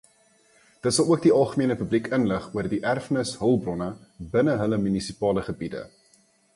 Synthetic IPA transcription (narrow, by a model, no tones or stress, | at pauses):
d̥ətsɐlˠuək̚diɐlˠχəmiənəpyblikənləχuərdiʔærfənəsɦəlˠbrɔnəbənəɦələmynisipɑːləχəbidə̰